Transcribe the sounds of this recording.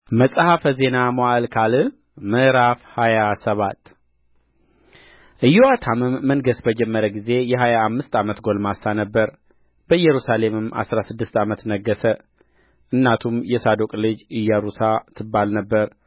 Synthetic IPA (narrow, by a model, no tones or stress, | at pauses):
məsʼhafəze̞namoalkʰalɨ | mɨʔɾafhajasəβat̪ː | ʔɨjːuat̪ʰamɨmːənɡəsbəd͡ʒɛmːəɾəɡize̞jɛɦajaːmːɨst̪amət̪ɡo̞lmasanəbːəɾ | b̥əɨjɛɾusale̞mɨmʔa̰sɾasɨd̪ːɨst̪amət̪nəɡːəsə | ʔɨnːat̪ʰumjɛsad̪okʼlɨd͡ʒɨjːaɾusat̪ʰːɨbːalnəbːəɾ